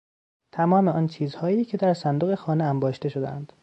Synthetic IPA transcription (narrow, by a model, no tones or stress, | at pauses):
t̪ʰæmɒːmeɒːnt͡ʃʰiːzhɒːjiːcʰe̞d̪æɾsænd̪oɣe̞xɒːneæmbɒːʃt̪e̞ʃo̞d̪eæ̰nd̪̥